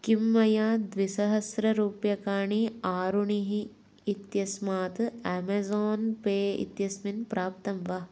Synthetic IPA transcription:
kimːɐjaːd̪ʋisɐɦɐsɾɐɾuːpjɐkaːɳiaːɾuɳiɦiː | t̪jɐsmaːt̪ɛːmɐzoːnpeːḭt̪jɐsminpɾaːp̚t̪ɐmʋa

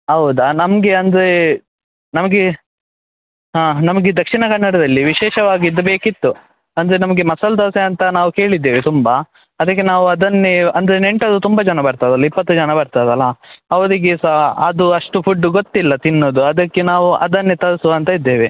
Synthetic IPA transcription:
ɦɐwud̪ɐnɐmɐɡeɐnd̪ɾe | nɐmɐɡe | ɦaːnɐmɐɡed̪ɐkʂinɐkɐnːɐɽɐd̪ɐlːiʋiʃɛːʃɐʋaːɡid̪ːɐbeːkit̪ːu | ɐnd̪ɐɾenɐmɐɡemɐsɐld̪ɐːseɐnt̪ɐnaːʋuke̞ːɭid̪ːeːʋet̪umbɐ | ɐd̪ɐk̬ːenaːʋuɐd̪ɐnːeɐnd̪ɐɾeneɳʈɐd̪ut̪umbɐd͡ʒɐnɐbɐɾt̪ajd̪ɐlːɐipːɐt̪ːud͡ʒɐnɐbɐɾt̪ajd̪ɐlːɐɦɐʋɐd̪iɡesɐɐd̪uɐʂʈupʰuɖːuɡot̪ːilːɐt̪inːoːd̪uɐd̪ɐkːenaːʋuʔɐ̰d̪ɐnːet̪ɐɾɐsuɐnt̪ɐid̪ːeːʋe

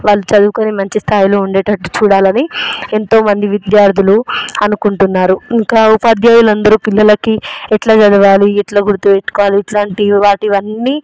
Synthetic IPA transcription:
ʋaːɭːut͡ʃɐd̪uːkɐnimɐɲt͡ʃist̪ʰaːjilo̞ːuɳɖeːʈɐʈːu̥t͡ʃuːɽaːlɐnient̪o̞ːmɐnd̪iʋid̪jaːɾt̪ʰuluɐnukuɳʈunːaːɾuiŋkaːupad̪jaːjulɐnd̪ɐɾupilːɐlɐkiɛʈlaːd͡ʒɐd̪ɐʋaːliɛʈlaːɡuɾut̪uːeʈːu̥kɔːʋaːliːʈlaːɳʈiʋaːʈiʋɐnːiː

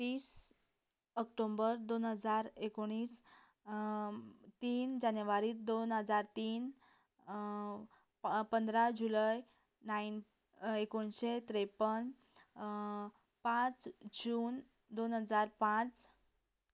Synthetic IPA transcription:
t̪iːs | əkʈombəɾd̪onɦəd͡zaɾekoɽ̃iːs | t̪iːnd͡ʑanjʋaɾiːd̪onɦəd͡zaɾt̪iːn | pənd̪ɾad͡ʑulaj | nain | ekoɳɕet̪ɾepən | pãt͡sd͡ʑuːn | d̪onɦəd͡zaɾpãt͡s

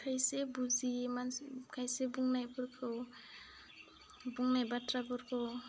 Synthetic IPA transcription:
kʰajsebuzimanskʰajsebuŋnajpɔɾkʰo | buŋnajbatɾabɔɾkʰo

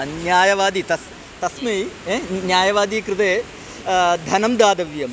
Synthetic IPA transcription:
njaːjɐʋaːd̪it̪ɐs | t̪ɐsmɐjenjaːjɐʋaːd̪iːkɾɨt̪eː | d̪ʱɐnɐmd̪aːd̪ɐʋjɐm

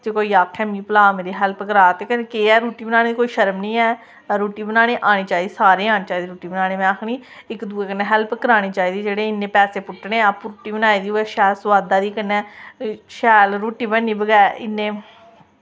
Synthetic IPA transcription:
t̪eːkoːiːaːkʰːɛːmĩːpəlaːmeːɾeːɦɛlpkəɾaːt̪eːkənekeːɛːɾoːʈiːbənaːɽẽːd̪ikoːiːʃəɾəmnĩːɛː | ɾoːʈiːbənaːɽ̃eːʔaːɽ̃eːt͡ʃaːiːd̪ːsaːɾeːaːneːt͡ʃaːiːd̪iːɾoːʈiːbənaːɽ̃eːmɛ̃ːakʰɽiː | ɪkd̪uːeːkənːɛːɦɛlpkəɾaːɽeːt͡ʃaːiːd̪iːd͡ʒeːɽeːɪnːeːpɛːseːpʊʈneːaːpɾːʈiːbənaːiːd̪iːɛːʃɛːlsʋaːd̪aːd̪iːkənːɛːʃɛːlɾoːʈiːbənːĩːbəɡɛːɪnːẽː

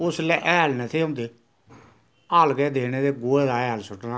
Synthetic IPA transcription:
ʊslɛʔɛːlnet̪ʰeːõːnd̪eː | aːlɡɛːd̪eːneːd̪eːɡoːɛːd̪aːɛːlsʊʈna

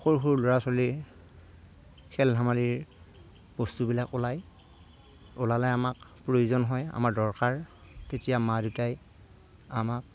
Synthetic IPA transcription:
xoɹxuɹlʊɹasɔli | kʰɛldʱamaliɹ | b̥ɔstubilakʊlaj | ʊlalajamakpɹojuzɔnɦɔja̰maɹdɔɹkaɹ | tetijamadutaj | amak̚

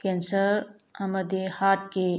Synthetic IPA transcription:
kensəɾ | ɐmɐd̪ehaʈ̚ke

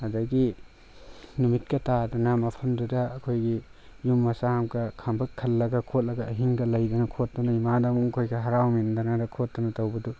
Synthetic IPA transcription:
ɐdɐɡi | numit̚kɐtadɐnɐmɐpʰɐmdudɐɐkʰojɡi | jumːɐsahamkɐkʰambʱɐkʰːɐlːɐɡɐkʰot̚lɐɡɐːɦiŋɡɐlɐjdɐnɐkʰot̚dɐnɐimadamuŋkʰojɡɐɦɐɾawmindɐnadɐkʰot̚dɐnɐtɐwbɐdu

